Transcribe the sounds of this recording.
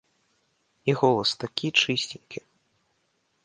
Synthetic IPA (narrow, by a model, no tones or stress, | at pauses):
iɣɔlˠɐst̪akʲit͡ʂɨsʲtʲiŋʲkʲʰi